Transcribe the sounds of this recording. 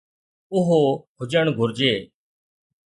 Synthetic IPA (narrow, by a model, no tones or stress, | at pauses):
ʊɦoːɦʊd͡ʒəɳɡʱʊɾd͡ʒeː